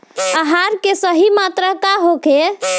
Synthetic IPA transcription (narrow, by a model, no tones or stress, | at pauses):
əɦaɾkesəɦimat̪ɾəkaɦoke